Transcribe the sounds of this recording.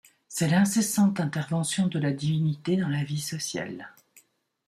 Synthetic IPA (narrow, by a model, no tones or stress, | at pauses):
sɛlɛ̃sesɑ̃t̪ɛ̃t̪ɛʁvɑ̃sjɔ̃d̪əlad̪ivinit̪ed̪ɑ̃lavisɔsja̰l